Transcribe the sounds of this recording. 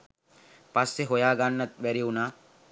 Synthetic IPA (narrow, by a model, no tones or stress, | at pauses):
pɐsːeɦɔjaːɡanːɐt̪̚ʋɛɾiunaː